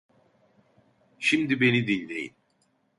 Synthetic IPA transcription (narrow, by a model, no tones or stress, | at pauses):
ʃimd̪ibe̞nid̪ilʲːejḭn